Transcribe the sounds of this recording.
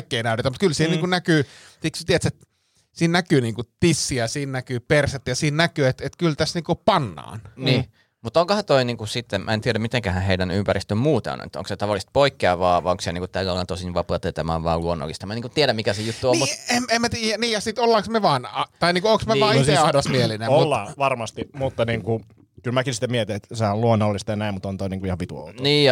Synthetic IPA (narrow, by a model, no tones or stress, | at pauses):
kːˑeinæˑyt̪et̪æmut̪kylsiːhnniːkunnækyː | siksyt̪iet̪set̪ | siːnnækyːniːŋkut̪isːiæsiːnnækyːperset̪jɑsiːnnækyːet̪et̪kylt̪æsniːŋkupɑnːɑ̰ːnniː | mut̪oŋkohɑt̪oiniːŋkusit̪ːemmʔæ̰ent̪ieɾæmmit̪eŋkæhæheidænympærist̪ømmuːt̪ɑ̰n̰ḛt̪ːo̰ŋkset̪ɑʋɑlːˑist̪̚poikːeɑʋɑːɑ̰oŋkseniːŋkutt̪æːkːɑlːɑnt̪osinʋɑpɑɑt̪eit̪æmæ̰ːʋʋɑ̰ːluonːo̰lːist̪ɑmæniːŋkut̪t̪ieɾæmmikæsejut̪ːuommmut̪ememmæt̪iːjæniːjɑsit̪olːɑːksmeʋɑːnɑt̪ɑiniːŋkuoŋksmeʋɑːseɑdosmielinemomulːɑːʋɑrmɑst̪imut̪ːɑniːŋku | kylmækinsit̪ːæmiɛt̪inet̪sɑɑluonːolːist̪ɑjɑnæimmut̪ont̪oiniːŋkuihɑʋit̪uo̰lniːjɑ